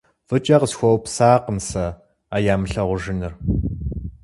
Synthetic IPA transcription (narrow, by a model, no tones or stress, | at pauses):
vɨt͡ʃʼɐqəsxʷɔwpsaːqəmsɐ | aːjaːmɨɬɐʁʷʊʒɪnɨr